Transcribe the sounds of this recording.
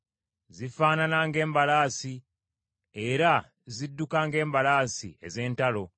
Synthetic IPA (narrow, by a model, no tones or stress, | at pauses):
zifaːnanaŋɡe̞ːmbalaːsi | e̞ɾa | zidːukaːŋɡe̞ːmbalaːsḭe̞̰ze̞ːntalo̞